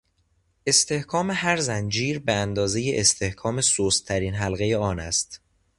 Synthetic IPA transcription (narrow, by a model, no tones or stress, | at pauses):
e̞st̪ʰe̞hkʰɒːmehæɾzænd͡ʒiːɾbeænd̪ɒːze̞jeʔest̪ʰe̞hkʰɒːme̞soːst̪ʰːæɾiːnɦælɣejeɒːnæst̪